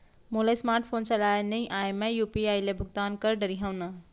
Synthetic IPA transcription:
moːlɐsmaːɾʈfʰoːnt͡ɕalaːjnɐĩʔaːmɐ̃juːpiaːjlebʱʊɡ̚t̪aːnkɐɾɖəɾiɦɐ̃wna

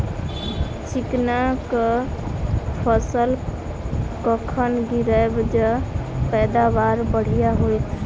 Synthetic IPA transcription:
t͡ʃiknakə | pʰəsəl | kəkʰənɡʱiɾəjbd͡ʒepɛd̪abaɾbəɽ̤ijaɦojt̪ʰ

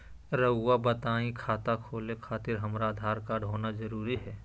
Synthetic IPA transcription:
ɾəːabət̪aːĩkʰaːt̪akʰoːlekʰaːt̪ɪɾɦɐmɾaːd̪ʱaːɾkaɖʱɦoːnazɐɾuːɾiɦɛː

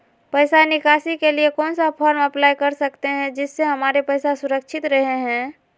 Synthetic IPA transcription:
pəɪsanɪkaːsikeliekɔːnsapʰɔːɾmɐplaːjkɐɾsɐkt̪eɦɛ̃d͡ʒɪsːeɦɐmaːɾepɐːsasʊɾəkʃʰɪt̪ɾɐɦeɦɛ̃ː

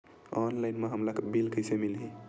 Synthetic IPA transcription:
ɔnlaɪnmeɦəmlakebilkəjsemilɦi

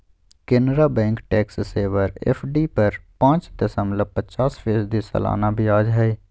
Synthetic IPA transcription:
kenɾabɛ̃ːŋkʈɛːksseːʋəɾɛ̰pʰɖipəɾpãːt͡ʃt̪əsəmləpət͡ʃaːspʰeːsd̪isə̰la̰ːnabʱiaːd͡ʒɦɛ

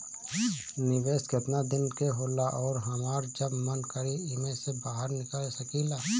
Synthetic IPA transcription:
nɪʋeːskɪt̪nad̪ɪnkeɦoːlaʔɔːɾɦɐmaːɾd͡ʒɐbmənkəɾiɪmẽsebaːɦəɾnɪkəlsəkilaː

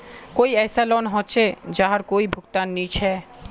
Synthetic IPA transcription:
kojɛsalonɦotːʃʰed͡ʑaɦaɾkoibʱukt̪anːit͡ɕʰe

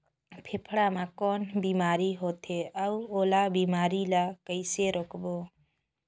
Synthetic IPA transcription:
pʰepʰɽamakɔnbimaɾiɦot̪ʰeawolabimaɾilakəjseɾɔkʰbɔ

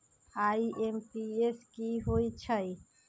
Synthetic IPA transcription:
aːiʔempieskiɦoːit͡ʃʰəi

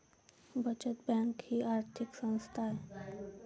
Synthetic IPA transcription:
bət͡ʃət̪̚bɛ̃ːŋkhiaːɾt̪ʰɪksə̃nst̪ʰaɦɛ

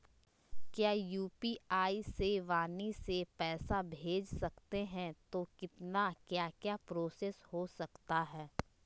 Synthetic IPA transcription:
kjaːjuːpiaːiseʋaːnisepɛːsabʱeːd͡ʒsɐkt̪eɦɛ̃t̪okɪt̪nakjaːkjaːpɾoːseshosɐkt̪aɦɛː

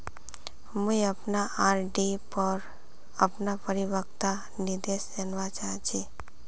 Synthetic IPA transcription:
mujəpnaaɾɖipəɾ | apnapəɾiʋəkt̪a | nid̪eʃd͡ʒənʋat͡ʃaɦt͡ʃʰe

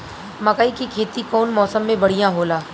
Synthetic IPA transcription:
mɐkaːikikʰeːt̪ikɔːnmɔːsəmːẽbɐɽ̤ijãɦoːlaː

